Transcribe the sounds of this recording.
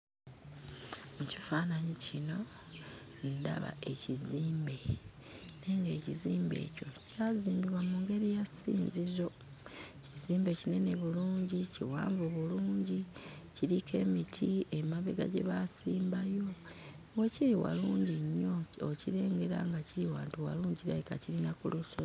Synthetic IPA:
muci̥faːnaɲicino̞ | nda̰βa̰e̞ciziːmbe̞ | ne̞ŋɡe̞ːciziːmbe̞̰ːco̞caːziːmbiβwamuŋɡe̞ɾijasḭːnzizo̞ | ciziːmbe̞cine̞ne̞βuluːɲɟiciwa̰ːɱvuβuluːɲɟi | ciɾikʰe̞mitʰie̞maβeɡa̰ɟe̞̰βasiːmbajo̞ | weciɾiwa̰luːɲɟiɲːo̞ociɾe̞ːŋɡe̞ɾa̰ŋɡaciɾiwaːntuwa̰luːɲɟiɾaekaciɾinakuluso

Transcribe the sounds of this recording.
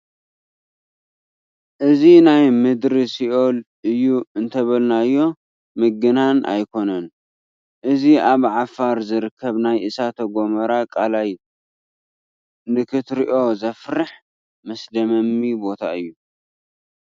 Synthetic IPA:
ʔɨzinajmɨd̪ɾisiʔo̞lʔɨjːuɨnt̪ʰɐβɐlnajːo̞ | mɨɡɨnanʔa̰jkʰo̞nɐn | ʔɨziaβʕafaɾzɨɾɨkʰːɐβnajʔɨsat̪ʰɐɡʷo̞mɐɾakʼalaj | nɨkʰɨt̪ɾiʔo̞zɐfɾɨħ | mɐsd̪ɐmɐmːibo̞t̪ʰaɨjːu

